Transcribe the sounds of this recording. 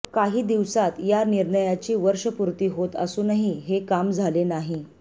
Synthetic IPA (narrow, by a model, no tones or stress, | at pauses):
kaɦiːd̪iʋsat̪janiɾɳəjat͡ɕiːʋəɾʂəpuɾt̪iːɦot̪ə̰suːnaɦiɦekamd͡zʱalenaɦi